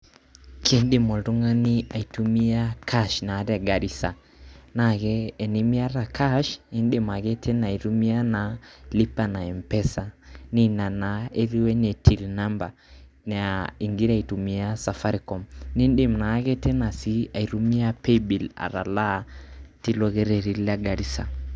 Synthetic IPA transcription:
kʰinɗi˦mɔ˨du˦ŋa˦ni˦a˨itumi˦akʰaʃnaː˨ɾa˨ɡa˨ɾisa | naɣɛː˨ni˦mi˦a˦ɾakʰaʃi˦nɗima˨ɣɛ˦tʰɛ˦na˨i˨ɾumi˦a˦nali˦pa˨na˨ɛ˨mpɛsani˦na˨na˨e˦ɾi˦wɛ˦nɛ˨tʰi˨lna˦mba˨ | nai˨ŋɡi˦ɾa˨i˨tu˨mi˦a˦sa˨fa˦ɾikɔ˨mni˦nɗe˨mna˨˦ɡɛ˦tɛ˦na˨si˦a˨i˨ɾu˦mi˦a˦pe˦bi˨la̰˨ɾa̰˨la˦ti˦lɔ˦ɣɛ˦ɾɛɾi˦la˨ɡa˨ɾi˦sa̰˨

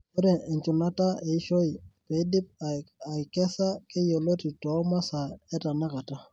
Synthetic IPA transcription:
ɔ˦ɾɛ˨ɪ˨ɲt͡ʃʊ˨na˦ta˦e˨˦ʃo˦i˨pe˨˦di˦p̚a˨i˨kɛ˦sa˦kɪ˦jo˨lo˦ti˨tɔ˨˦ma˦sa˨ɛ˦ta˨na˦ka˨ta˦

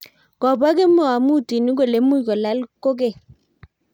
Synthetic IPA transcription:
kɔ˨ba˦ke˦mɔ˦˨a˨mu˦˨ti˨ni˦ɡ̬o˨le˨˦mu˦˨kɔ˨la˨˦lko˦k̬e˦˨

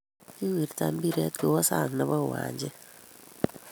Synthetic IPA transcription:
ki˦wi˨ɾta˨mbi˦ɾɛ˦t̪̚kɪ˨wɔ˦sa̰˦˨ŋna˨bɔ˦˨wa̰˨ɲd͡ʒe˦

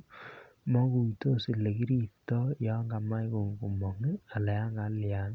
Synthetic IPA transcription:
mɔ˦ku˨i˨to˦˨si˨le˨ki˦ɾi˦tɔ˦jɔ˦ŋɡa˨ma˦jko˨ŋ˨ku˨mɔ˨ŋɪ˦a˨lɛ˨ja˦ŋɡa˨˦lja˨˦n

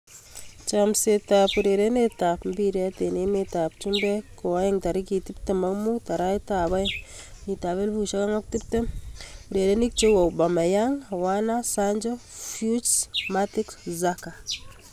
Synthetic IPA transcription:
t͡ʃamse˨ta˨pu˨ɾe˨ɾe˦ne˦ta˨pmbi˦ɾa˦te˨ne˦me˨ta˨p̚t͡ʃi˦mbɛ˦ko˨wa˦je˦ŋta˨ɾi˦ki˨ti˦p̚te˨ma˦kmu˦ta˨ɾa˦jta˨ba˦ | ni˨ta˨βe˦lbu˨ʃa˦ka˦ŋa˦k̚ti˦p̚te˦u˨ɾe˨ɾe˦ni˦k̚t͡ʃe˦wo˨wba˨ma˨jaŋwana˦saɲd͡ʒɔ˦fju˦t͡ʃsmati˦kszaka˨

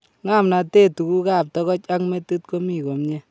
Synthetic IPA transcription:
ŋa˦˨mna˨te˦tu˨ku˦ka˦˨p̚tɔ˦kɔ˦t͡ʃa˦ŋme˦tu˦t̚ko˦mi˨ko˨mɲe˦

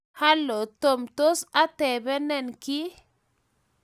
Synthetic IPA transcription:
ha˦lo˨t̪o˨mt̪o˦sa˦t̪ɛ˨bɛ˦nɛ˦˨nki˦

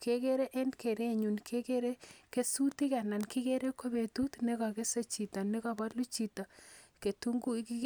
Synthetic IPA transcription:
ke˦ke˦ɾe˦ʔe˦nke˨ɾe˦˨ɲu˨nkʰe˦ke˦ɾe˦ke˦su˦ti˦kɛ˨na˨nki˦ke˦ɾe˦ko˦be˨tu˦tne˦kɔ˨ke˦se˦t͡ʃi˨ta˨ne˦ka˨ba˦lu˦t͡ʃi˨ta˨ke˨tu˦ŋɡu˦ki˦

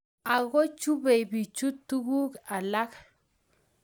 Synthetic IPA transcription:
a˨ɣo˦t͡ʃu˦be˨bi˨t͡ʃu˦tu˦ɣu˦ka˨la˦k

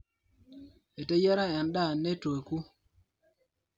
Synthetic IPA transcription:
e˨te˦ja˦ɾa˦˨a˨nɗa˦˨ne˦to˨e˨ku˦

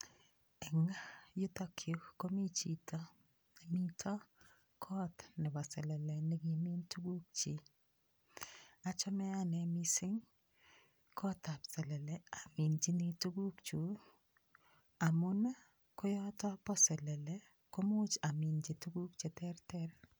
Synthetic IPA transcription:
ɛ˨ŋa˦jʊ˦tɔ˦kʰjo˨kko˦mi˦t͡ʃi˨tɔ˦ | mi˦tʰɔ˦ | kʰɔ˦tnɪ˨pɔ˨sɛ˨lɛ˨lɛ˨ne˦ɡi˨mi˦ntu˦ɡu˦k̚t͡ʃi˨ | a˨t͡ʃɔ˦mɛ˦a˦nɛ˨mi˦sɪ˦ŋ | kʰɔ˦ta˨psɛ˨lɛ˨lɛ˨a˨mi˨nd͡ʒi˦ni˦tu˦ɡu˦kt͡ʃu˨ | a˨mʊ˦na˦ | kʊ˦jɔ˦tɔ˦pɔ˦sɛ˨lɛ˨lɛ˦ | ko˦mʊ˦t͡ʃa˨mi˨nd͡ʒi˨tu˦ɡu˦kt͡ʃe˨tɛ˦ɾtɛ˦ɾ

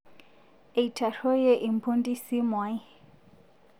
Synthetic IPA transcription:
e˨i˨tʰa˨rɔ˦je˦ʔi˨m˨pʰu˦ndi˦si˦mwa˨˦i˦

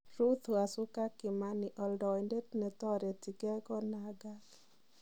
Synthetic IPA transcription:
ɾu˦t̪u˨a˨sʊ˦ka˦kɪ˨ma˦ni˨ʔɔ˨ldɔ˨i˨nde˦tnɛ˨t̪ɔ˦ɾe˨ti˨ɡɛ˦ɡɔ˦na˨ɡa˦k

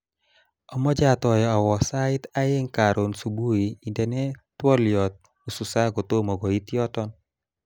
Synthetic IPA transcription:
ɔ˨mɔ˦d͡ʒa˦t̪ɔ˨jɔ˨a˨wɔ˨sa˦ɪta˦e˦ŋka˨ɾo˨nsu˨bu˦i˨i˨ndɛ˨nɛ˦twɔ˦ljɔ˨t̪̚ | u˨su˨sa˦ɡo˨to˦mɔ˨ɡɔ˨i˦t̪jɔ˦tɔ˦n

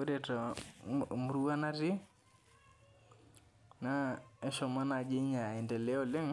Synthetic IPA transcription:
o˦ɾe˨tɔ˨ | mu˨ɾu˦a˦na˦ɾɪ˦ | na˦e˦ʃɔ˨ma˦na˨d͡ʒɪ˦ɲa˨i˨ndɛ˨le˦o˦˨lɪ˦ŋ

